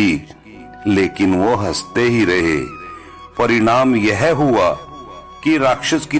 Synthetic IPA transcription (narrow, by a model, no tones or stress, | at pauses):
i | leːkɪnʋoɦɐst̪eɦiɾɐɦḛː | pɐɾɪɽ̃aːmjɛɦɦua | kiɾaːkʃəski